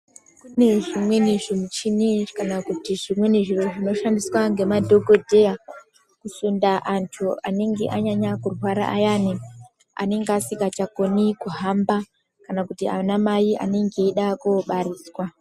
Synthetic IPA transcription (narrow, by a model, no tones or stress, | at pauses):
kune̞ʐimwe̞niʐimut͡ʃinekanakutiʐimwe̞niʐiro̞ʐino̞ʃandiswaŋɡe̞madʱo̞ɡo̞dʱe̞ja | kusundaʔantʰuaneŋɡḛʔaɲaɲakurwaɾa̰ʔa̰jani | a̰ne̞ŋɡeasikat͡ʃakonikuɦamba | kanakutia̰anamajiʔa̰neŋɡeːɗakoɓaɾiːswa